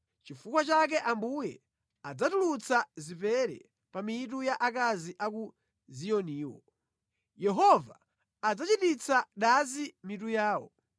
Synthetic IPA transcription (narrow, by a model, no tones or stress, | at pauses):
t͡ʃifukwat͡ʃak̬ɛʔambujɛ | ad͡zatulut͡sazipɛɾɛ̰ | pamit̬ujaʔak̬aziʔaku | zijɔniːwɔ̰ | jɛɦɔvaː | d͡zat͡ʃitit͡saɗazimit̬ujaːwɔ̰